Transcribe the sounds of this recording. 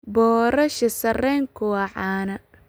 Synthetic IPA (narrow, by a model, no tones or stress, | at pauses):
bɔːɾɐʃɐsɐrɛːŋkʰʊwɐʕɑːnɐ